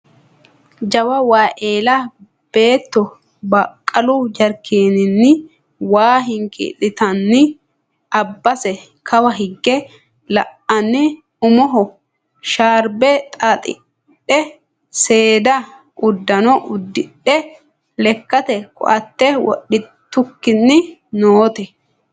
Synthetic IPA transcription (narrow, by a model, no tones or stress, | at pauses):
d͡ʒɐwɐwaːʔeːlɐ | b̥e̞ːt̪ːɔ | bɐkʼːɐlʊd͡ʒɐɾkʰeːnɪnːɪ | waːɦɪŋkɪ̰lːɪt̪ɐnːɪ | ʔɐbːɐsɛ | kʰɐwɐɦɪɡːɛ | lɐ̰ʔɐnːɪ | ʊmɔɦɔ | ʃaːɾbɛt̪ʼat̪ʼɪ̰ | ɗɛ | seːd̪ɐ | ʔʊd̪ːɐnɔʔʊd̪ːɪɗːɛ | lɛkːɐt̪ɛkʰʼʊ̰ʔɐt̪ːɛwɔ̰ɗːɪt̪ːʊkːɪnːɪnoːt̪ɛ